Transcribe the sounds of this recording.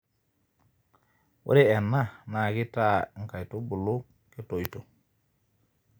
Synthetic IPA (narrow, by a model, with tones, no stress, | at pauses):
wṵ˦ɾi˦e˨nːa˦na˨ɡi˦ta˦˨ŋ̩˨ka˨jtu˦bu˨lu˦ | ki˦to˨jto˨